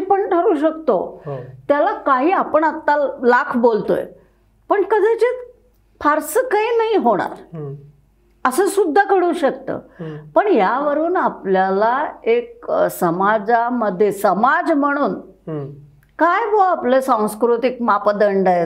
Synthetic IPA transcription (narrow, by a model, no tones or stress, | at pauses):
pəɳʈʰəɾuːɕək̚t̪o̰t̪jalakaɦiːapəɳat̪ːalakʰbolt̪o̰jḛ | pəɳkəd̪ʱet͡ɕet̪ | fʰaɾsəkainaɦiɦoɽ̃a̰ɾ | əsəsud̪ʱːakəɽuːɕəkt̪ə̰ːpəɳɦjaʋəɾuːnapljalaek̚səmad͡zaməd̪ʱːjesəmad͡zm̤əɽ̃uːn | kajbʱoaplesãw̃skɾut̪ik̚mapəd̪əɳɖə